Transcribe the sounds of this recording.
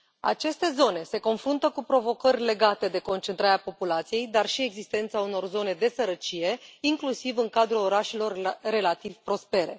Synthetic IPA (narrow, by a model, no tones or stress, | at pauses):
a̰t͡ʃe̞st̪e̞zo̞ne̞se̞ko̞nfɾunt̪əkupɾo̞vo̞kərʲle̞ɡat̪e̞d̪e̞ko̞nt͡ʃent̪ɾaɾeapo̞pulat̪sije̞jd̪arʃie̞ɡzist̪e̞nt̪sauno̞rzo̞ne̞d̪e̞səɾət͡ʃije̞iŋklusivɨŋkad̪ɾulo̞ɾaʃelo̞rːe̞lat̪iv̥pɾo̞spe̞ɾe̞